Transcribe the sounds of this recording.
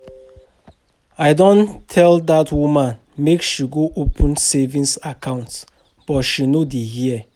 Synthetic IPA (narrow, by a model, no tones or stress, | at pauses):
aɪdɔ̃ntʰɛldatwumãn | mekʃuɡoʔopʰũnsɛvĩnsakʰãʊ̃nts | b̥ɔtʃinodihiɛ